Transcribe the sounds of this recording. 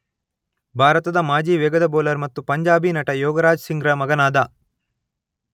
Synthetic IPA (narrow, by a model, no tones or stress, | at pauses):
bʱaːɾɐt̪ɐd̪ɐmaːd͡ʒiːʋɛːɡɐd̪ɐboːlɐɾmɐt̪ːupɐɲd͡ʒaːbiːnɐʈɐjɔːɡɐɾaːd͡ʒsiŋɡɾɐmɐɡɐnaːd̪ɐ